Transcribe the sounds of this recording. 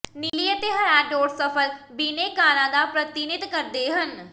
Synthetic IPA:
niːliːət̪eːɦəɾaːɖoːɾsəpʰəlbiːneːkaːɾãːd̪aːpɾət̪inɪt̪kəɾd̪eːɦən

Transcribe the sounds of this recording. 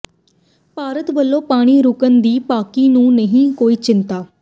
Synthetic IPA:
paːɾət̪bəlːõːpaːɽ̃iːɾʊkənd̪iːpaːkiːnũːnəɦĩːkoːiːt͡ʃɪnt̪aː

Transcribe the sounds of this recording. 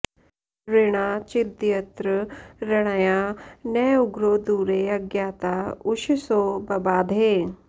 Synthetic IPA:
ɾɪɽ̃aːt͡ʃɪd̪jɐt̪ɾəɾɐɽ̃ajaneːʊɡɾoːd̪uːɾeɐɡjaːt̪aːʊʃisoːbɐbaːd̪ʱeː

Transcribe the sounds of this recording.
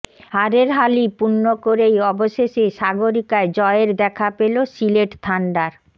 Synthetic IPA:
haɾeɾɦalipunːokoɾejɔboʃeʃeʃaɡoɾikaed͡ʑɔeeɾd̪ɛkʰapelosileʈt̪ʰaɳɖaɾ

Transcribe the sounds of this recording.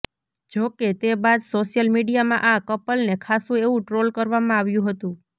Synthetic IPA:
d͡ʒoket̪ebad̪soʃjəlmiɖijamã̰ʔakəpəlnekʰasũeʋũʈɾolkəɾʋamãaʋjũɦət̪ũ

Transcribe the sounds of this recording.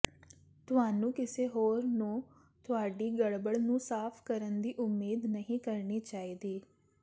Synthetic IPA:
t̪ʊaːnũːkɪseːɦoːɾnũː | t̪ʊaːɖiːɡəɽbəɽnũːsaːpʰkəɾənd̪iːʔʊmːeːd̪nəɦĩːkəɾɳiːt͡ʃaːiːd̪iː

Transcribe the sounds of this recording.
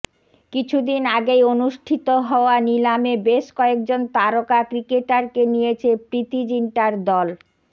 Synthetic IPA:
kit͡ɕʰud̪inaɡejonuʃʈʰit̪oɦɔoanilamebeʃkɔek̚d͡ʑont̪aɾokakɾikeʈaɾkenijet͡ɕʰepɾit̪id͡ʑiɳʈaɾd̪ɔl

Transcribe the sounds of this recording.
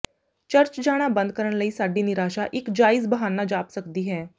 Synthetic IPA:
t͡ʃəɾt͡ʃd͡ʒaːɽ̃abənd̪̚kəɾəɳ̃ləiːsaɖiːniɾaʃaʔɪkd͡ʒaːiːsbəɦanːad͡ʒaːpsəkd̪iːɦɛː

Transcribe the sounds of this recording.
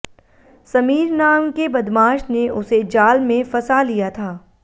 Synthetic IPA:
sɐmiːɾnaːmkebɐd̪maːʃneʊsed͡ʒaːlmẽfɐsalijat̪ʰaː

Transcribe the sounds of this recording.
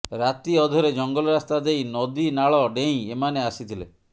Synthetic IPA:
ɾat̪iɔd̪ʱɔɾed͡ʒɔŋɡɔlɔɾast̪ad̪ejnɔd̪inaɭɔɖeĩemaneasit̪ʰilḛ

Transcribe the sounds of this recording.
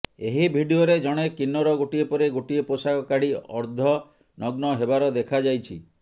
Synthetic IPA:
eɦibʱiɖioɾed͡ʒɔɽ̃ekinːɔɾɔɡoʈiepɔɾeɡoʈieposakɔkaɽ̤iɔ̰ɾd̪ʱɔ | nɔɡnɔɦebaɾɔd̪ekʰad͡ʒajt͡ʃʰḭ

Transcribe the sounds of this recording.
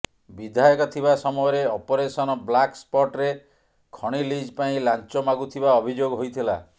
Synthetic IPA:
bid̪ʱajɔkɔt̪ʰiβasɔmɔɔɾeɔpɔɾesɔnɔblakspɔʈɾe | kʰɔɽ̃ilid͡ʒpaĩlant͡ʃɔmaɡut̪ʰibaɔbʱid͡ʒoɡɦojt̪ʰila

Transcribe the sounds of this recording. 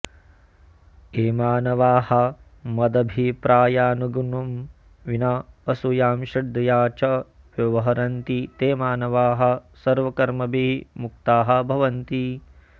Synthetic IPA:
eːmaːnɐʋaːhɐ̆ | mɐd̪ɐbʱipɾaːjaːnuɡunɐm | ʋinaːɐsujaːmʃɐd̪ɐjaːt͡ʃɐ | ʋjɐʋɐɦɐɾɐnt̪it̪eːmaːnɐʋaːɦɐ̆sɐɾʋɐkɐɾmɐbiɦmuk̚t̪aːɦɐ̆bʱɐʋɐnt̪i

